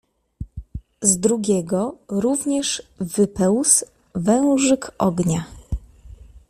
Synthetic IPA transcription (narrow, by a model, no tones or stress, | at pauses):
zd̪ɾuɡʲɛɡɔɾuvɲɛʂvɘpɛws | vɛ̃w̃ʐɘkʔɔɡɲa